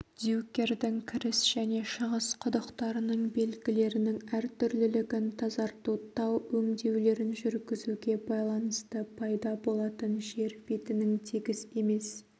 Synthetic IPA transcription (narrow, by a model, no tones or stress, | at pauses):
d̪jukʲːe̞rd̪ɪŋkʲʰɪɾɪsʒ̥æne̞ʃəʁəsqʰʊd̪əqt̪ɑɾənəɴbe̞lɡʲɪle̞ɾɪnɪŋæɾt̪ʰʏɾlɪlɪɡʲɪnt̪ʰɑzɑɾt̪ot̪ːɑwɵŋd̪e̞wle̞ɾɪnʒʏɾɡʲɪzuɡʲe̞bɑjlˠɑnəst̪əpʰɑjd̪ɑbo̞lˠɑt̪ənʒe̞ɾpet̪ɪnɪŋt̪ʰiɡʲɪse̞me̞s